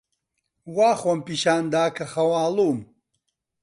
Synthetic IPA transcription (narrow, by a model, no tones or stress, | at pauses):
waːχwɐmpiʃaːnd̪aːkʰɐxɐwaːlum